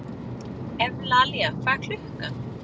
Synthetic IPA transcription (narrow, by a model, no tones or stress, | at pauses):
ɛvlaːlɛafakʰl̥ʏhka